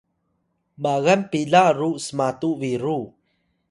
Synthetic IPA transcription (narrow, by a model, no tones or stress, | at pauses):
baɣanpilaruʔsəmat̪uʔviɾu